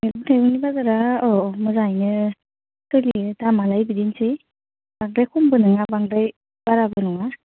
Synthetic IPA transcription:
melbɯtʰajbɔnibazaɾaɔmɯzajnɯ | tɯlidamalajbidinse | b̥aŋdajkʰɔmbɯnɯŋabaŋdaj | b̥aɾabɯnɔŋa

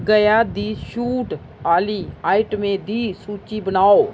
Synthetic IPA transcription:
ɡəjad̪iːʃuːʈ | aːliaːɪʈmẽd̪iːsuːt͡ʃibənaːo

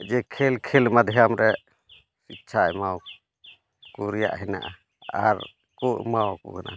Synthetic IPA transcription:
d͡ʒɛkʰɛlkʰɛlmad̪ʱɛjamɾɛ | sit̚t͡ʃʰaɛmaw | kuɾija̰ʔɦɛna̰ʔa | a̰ɾ | kuʔmawakṵkana̰

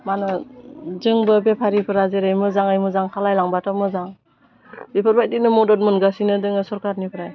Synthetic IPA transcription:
manɯzɯŋbɯbepʰaɾipʰɯɾazeɾɯjmɯzaŋɯjmɯzaŋkʰalajlaŋbatamɯzaŋ | bepʰɯɾbajtinɯmɔdɔtmɯnɡasinɯdɯŋɯsɔɾkaɾnipʰɯɾaj

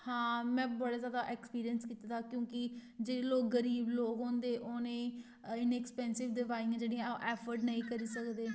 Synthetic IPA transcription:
hãːmɛ̃ːbəɽaːzjaːd̪aːʔɛːkspiːɾijənskiːt̪at̪aːkjõːkɪd͡ʒeːeːloːk̚ɡəɾiːbloːkɦoːnd̪eːʔoːneː | ɪnɛkspɛ̃ːnsɪʋd̪ɪʋaːɪ̃ːd͡ʒeːɽĩːãʔɛːpʰəɾɖnəĩːkəɾiːsəkd̪eː

